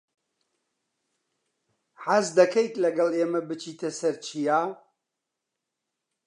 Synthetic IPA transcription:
ħazd̪ɐkʰejt̪lɐɡɐlˠeːmɐbɨt͡ʃʰiːt̪ʰɐsɐɾt͡ʃʰijaː

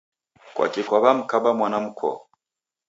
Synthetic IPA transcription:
kwa̰kikwaβam̩kabamwanam̩kʰɔ̰

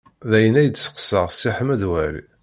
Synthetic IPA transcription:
ðæjənæjədsə̥qsəʁsiħəmæðwæɾḭ

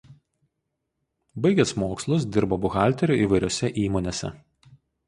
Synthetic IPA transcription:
bɐɪɡʲɛsmoːkslˠʊs̬d̪ʲɪɾboːbʊɣɑˑlʲt̪ʲɛɾʲuˑʔiːˑʋɐɪɾʲoːsʲɛʔiːmoːnʲeːsʲɛ̰

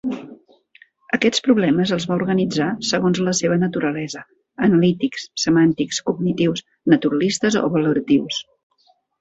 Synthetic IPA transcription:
əkɛspɾuβlɛməzəlˠzβauɾɣənid͡zasəɣonzləseβ̞ənət̪uɾəlɛzə | ənəlit̪ikssəmant̪ikskuɡnit̪iws | nət̪uɾəlist̪əzo̰βəluɾət̪iws

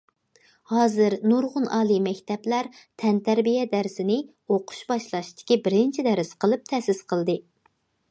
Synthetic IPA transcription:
hɑːzɨɾnuɾʁʊnɑːlˠimɛkʲt̪ɛplæɾt̪ʰɛnt̪ʰæɾbijɛd̪æɾsɪnɪ | oqʰʊ̥ʃbɑʃlˠɑʃt̪ʰɪ̥kʲibɪɾɪnt͡ʃʰid̪ɛɾɪsqʰəlˠɨp̚t̪ʰɛsɪsqʰəlˠd̪ɨ

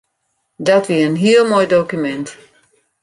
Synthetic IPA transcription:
datviənɦiːlˠmɔjdokjəmɛ̃nt

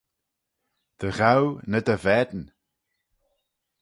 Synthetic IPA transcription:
d̪̥əɣawnəd̪əvɛd̪n

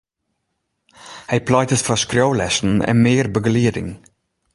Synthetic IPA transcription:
hæɪpʰlɑɪt̪əsfɾɑʃkɾœʊlɛʃn̩ɛ̰meːɾbəɡliːɾɪ̰ŋ

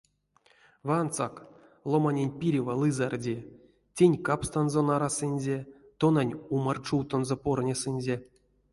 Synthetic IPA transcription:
vɨant̪sak | lˠomanʲenʲpʲiɾʲivalˠɨzardʲe | tʲenʲkapst̪anzonaɾasɨnʲzʲe | t̪onanʲumart͡ʂuwt̪onzopornʲesɨnʲzʲe

